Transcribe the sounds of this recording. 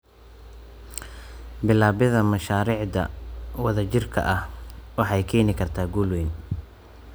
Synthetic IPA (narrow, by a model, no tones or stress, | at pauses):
bɪlaːβɪðɐmɐʃaːɾiːʕd̪ɐ̰wɐðɐt͡ʃɪrkʰɐ̰ʔɐhwɑħɑjkʰɛːnɪkʰɐrt̪ʰaːɡuːlwɛjn